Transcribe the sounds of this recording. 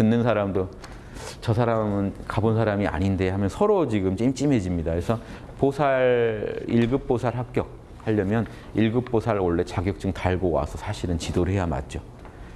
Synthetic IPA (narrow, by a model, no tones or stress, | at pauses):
tɯnːɯnsʰaɾamdo | t͡ɕʌsʰaɾamɯnkabonsʰaɾamia̰ɲinde̞hamjʌnsʰʌɾot͡ɕiɡɯmt͡ɕimt͡ɕ͈ime̞d͡ʑimɲidakesʰʌ | posʰaɭiɭɡɯp̚p͈osʰaɭɦak̚k͈jʌk̚ | haʎːʌmjʌn | iɭɡɯp̚p͈osʰaɾoɭːe̞t͡ɕaɡjʌk̚t͡ɕ͈ɯŋtaɭɡowa̰sʰʌsʰaɕʰiɾɯnt͡ɕidoɾɯɭhe̞jama̰t̚t͡ɕ͈o